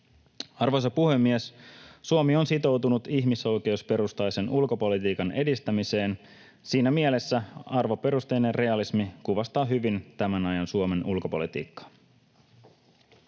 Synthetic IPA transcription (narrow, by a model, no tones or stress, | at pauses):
ɑrʋojs̬ɑpuhe̞mːiessuomio̞nsit̪o̞wt̪unut̪içmiso̞jk̟e̞uspe̞ɾust̪ɑjse̞nulko̞po̞lit̪iːkɑne̞dist̪æmise̞ːn | siːnæmie̞le̞sːæɑrʋo̞pe̞ɾust̪ejnerre̞ɑlismikuʋɑst̪ɑːɦyʋint̪æmænɑjɑnsuome̞nulko̞po̞̰lit̪ḭːkːɑ̥